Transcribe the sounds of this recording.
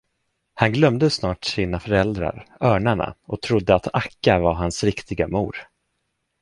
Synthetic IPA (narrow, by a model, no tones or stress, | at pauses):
hanɡlœmd̪əsnɑːʈsiːnafœɾɛld̪ɾa̰ɾœːɳaɳa̰ʔɔt̪ʰɾʊd̪ːəat̪akːavaɾɦansɾɪkt̪ɪɡamṵːɾ